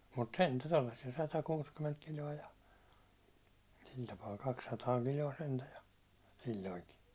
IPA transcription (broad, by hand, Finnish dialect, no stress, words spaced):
mut sentæ tolːɑsːiɑ sɑtɑkuːskyment kilʲoɑ jɑ sil tɑpɑː kɑksːɑtɑː kilʲoɑ sentæ jɑ silʲːoiŋki